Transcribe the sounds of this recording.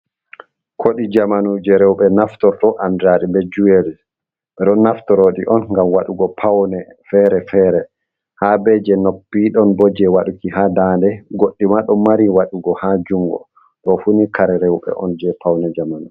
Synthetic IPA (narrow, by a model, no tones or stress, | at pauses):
kʰoɗid͡ʒamanud͡ʒɛɾɛwɓɛnaftɔɾtɔʔandɾaɾimbɛd͡ʒuelis | ɓɛɗɔnːaftɔɾoɗiʔɔnŋɡamwaɗuɡɔpʰawnɛfɛɾɛfɛɾɛ | habɛd͡ʒɛnopːiɗɔnbɔd͡ʒɛwaɗukihadaːndɛɡoɗːimaɗɔmaɾiwaɗuɡɔhad͡ʒuŋɡɔ̰ | ɗɔfunikʰaɾɛɾɛwɓɛ̰ʔɔ̰nd͡ʒɛpawnɛd͡ʒamanu